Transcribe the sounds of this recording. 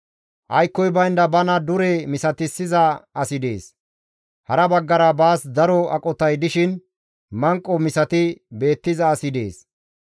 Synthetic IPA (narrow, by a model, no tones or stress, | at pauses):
ʔɐjkːɔjbɐjnd̪ɐbɐnɐd̪ʊɾɛmɪsɐt̪ɪsːɪzɐɐsɪd̪e̞̰ːs | hɐɾɐbɐɡːɐɾɐbaːsd̪ɐɾɔɐkʼɔt̪ɐjd̪ɪʃɪn | mɐŋkʼːɔmɪsɐt̪ɪbe̞ːt̪ːɪzɐːsɪd̪e̞̰ːs